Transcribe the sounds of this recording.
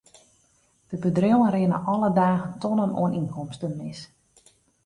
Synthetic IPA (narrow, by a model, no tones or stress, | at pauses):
d̥əbədrowənrɪənə̰ʔɔlədaːɣəntɔnəno̰əninkɔmstənmɪs